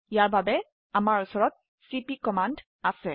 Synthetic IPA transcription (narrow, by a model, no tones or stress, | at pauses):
ijaɹbabɛ | amaɹusɔɹɔt̪̚ | sipikɔmand | asɛ